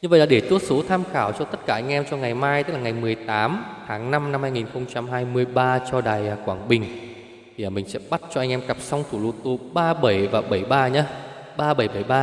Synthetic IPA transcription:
ɲɨ˧və̰˨jlaː˨˩ɗe˧˩t͡ɕ̪u˦˥ət̚so˨˦t̪ʰaː˧mxaː˧˩wt͡ɕɔ˧t̪ə˦˥t̚kaː˧˩ʔa˧jŋ̟ʔɛ˧mt͡ɕɔ˧ŋa˨˩jmaː˧jt̪ɨ˦˥la˨ŋ˨˩jmɨ˨˩əjt̪aː˨˦mt̪ʰaː˨˦ŋna˧mna˧mhaː˧jŋi˨˩nxə˧wŋ͡mt͡ɕa˧mɦaː˧jmɨ˧əjɓaː˧t͡ɕɔ˧ɗaː˨˩jəː˧˩kwaː˧˩ŋɓï˨˩ŋ̟ʰ | i˨˩ʔəː˨˩mï˨˩ŋ̟sɛ̰˧˥ɓa˦˥t̚t͡ɕɔ˧ʔa˧jŋ̟ʔɛ˧mkə˨˩p̚sa˧wŋ͡mt̪ʰu˧˩lṵ˧t̪o˧ɓaː˧ɓə˧˩jvaː˨˩ɓə˧˩jɓaː˧ɲaː˧˦ | ɓaː˧ɓə˧˩jɓə˧˩jɓaː˧

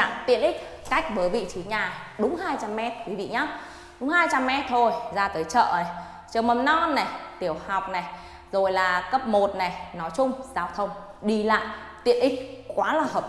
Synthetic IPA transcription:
a̰ː˧˨mt̪ḭ˧˨ənʔi˦˥k̟̚ | ka˦˥jk̟̚vəː˨˦jvḭ˧˨t͡ɕi˨˦ɲaː˨˩ | ɗʊ˨˦ŋ͡mhaː˧jt͡ɕa˧mːɛ˦˥t̚kwi˨˦vḭ˧˨ɲaː˨˦ | ɗʊ˨˦ŋ͡mhaː˧jt͡ɕa˧mːɛ˦˥t̚t̪ʰo˧jzaː˧t̪əː˨˦jt͡ɕə̰ː˧˨na˨˩j | t͡ɕəː˧˨˩mə˨˩mnɔ˧nːa˨˩jt̪i˧˩əwha˨˩wk͡p̚na˨˩j | zo˨˩jlaː˨˩kə˦˥p̚mo˨˩t̚na˨˩jnɔ˨˦jt͡ɕʊ˧ŋ͡mzaː˧wt̪ʰə˧wŋ͡m | ɗi˧la̰ː˧˨jt̪ḭ˧˨ənʔï˦˥k̚kwaː˨˦laː˨˩həː˨˩p̚

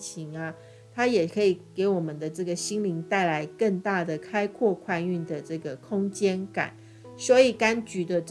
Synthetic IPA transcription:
t͡ɕʰi˧˥ŋa˧ | t̪ʰa˥jɛ˨˩kʰɤ˧˦˥i˨˩ke˧˥ɪwɔ˨˩mə˦nd̪ə˦ʈ͡ʂɤ˥˩ɡə˩ɕi˥ŋli˧˥ŋt̪a˥˩ɪla˧˦ɪkə˥˧ŋt̪a˥˩d̪ə˩kʰa˥ɪkʰwɔ˥˧kʰwa˥˧ny˥˩nd̪ə˩ʈ͡ʂɤ˥˩ɡə˩kʰʊ˥ŋt͡ɕjɛ˥nka̰˨˩˦n | swɔ˧˥i˨˩ka˦nt͡ɕy˧˥d̪ə˨ʈ͡ʂ

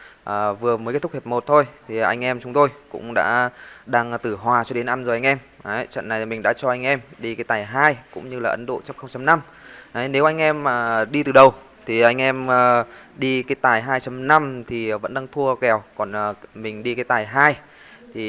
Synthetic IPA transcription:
ʔəː˨˩vɨ˨˩əmə˨˦kt̪ʰk̚he˨˩p̚mo˨˩t̚t̪ʰo˧jt̪ʰi˨˩ʔa˧jŋ̟ʔɛ˧mt͡ɕʊ˨˦ŋ͡mt̪o˧jkʊ̰˧˥ŋ͡mɗa̰ː˧˥ɗaː˧ŋt̪ɨ˧˩ɦwaː˨˩t͡ɕɔ˧ɗe˨˦nʔa˧nzʔa˧jŋ̟ʔɛ˧m | ə˨˦t͡ɕə̰˧˨nːa˨˩jmï˨˩ŋ̟ɗa̰ː˧˥t͡ɕɔ˧ʔa˧jŋ̟ʔɛ˧mɗi˧kaː˨˦jt̪aː˨˩jɦaː˧jkʊ̰˧˥ŋ͡mɲɨ˧laː˨˩ʔə˨˦nɗo̰˧˨t͡ɕa˦˥mxə˧ŋ͡mt͡ɕa˧mna˧m | ʔə˨˦ne˨˦wʔa˧jŋ̟ʔɛ˧məː˨˩ɗi˧t̪ɨ˨˩ɗə˨˩w | t̪ʰi˨˩ʔa˧jŋ̟ʔɛ˧məː˨˩ɗi˧kaː˨˦jt̪aː˨˩jɦaː˧jt͡ɕa˧mna˧mt̪ʰi˨˩və̰˧˥nɗaː˧ŋt̪ʰu˧əkɛ˨˩wkɔ˨˩nː˨˩mï˨˩ŋ̟ɗi˧kaː˨˦jt̪aː˨˩jɦaː˧j | t̪ʰi˨˩

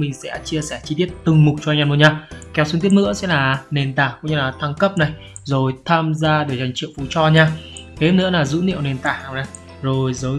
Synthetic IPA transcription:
mï˨˩ŋ̟sɛ̰˧˥t͡ɕi˧əsɛ˧˩t͡ɕi˧t̪i˦˥ət̚t̪ɨ˨˩ŋmʊ˨˩k͡p̚t͡ɕɔ˧ŋɲaː˧˩mu˧˩ɲaː˧kɛ˨˦wsŋt̪i˦˥ət̚ŋɨ̰˧˥əsɛ̰˧˥laː˨˩ne˨˩nt̪aː˧˩kʊ̰˧˥ŋ͡mɲɨ˧laː˨˩t̪ʰa˧ŋkə˦˥p̚na˨˩j | zo˨˩jt̪ʰaː˧mzaː˧ɗəː˨˩jza˨˩jŋ̟t͡ɕḭ˧˨wfu˨˦t͡ɕɔ˧ɲaː˧ka˨˦e˦˥nɨ̰˧˥əlaː˨˩zṵ˧˥nḭ˧˨əwne˨˩nt̪aː˨˩haː˨˩na˨˩j | zo˨˩jzəː˨˦

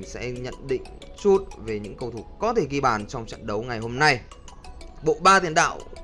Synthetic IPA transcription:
sɛ̰˧˥ɲə̰˧˨nɗḭ̈˧˨ŋ̟t͡ɕu˦˥t̚ve˨˩ɲɨ̰˧˥ŋkə˧wt̪ʰu˧˩kɔ˨˦t̪ʰe˧˩ɣi˧ɓaː˨˩nt͡ɕɔ˧wŋ͡mt͡ɕa̰ː˧˨nɗə˨˦wŋa˨˩jɦo˧mna˧j | ɓo̰˧˨ɓaː˧t̪i˧˩ənɗa̰ː˧˨w

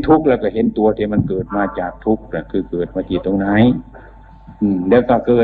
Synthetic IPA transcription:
t̪ʰu˦˥k̚lɛː˧wka˧˩ɦe˧˦nt̪u˧ɐt̪ʰiː˧˩ma˧˥˨nkɤː˨˩t̪̚maː˧t͡ɕaː˨˩k̚t̪ʰu˧˥k̚ka˧˩kʰɯː˧˩kɤː˨˩t̪̚maː˧˩t̪ʰiː˧˩t̪o˧ŋnaː˧˥˨j | ʔɯː˧˩lɛː˧˥wkaː˧˩kɤː˨˩

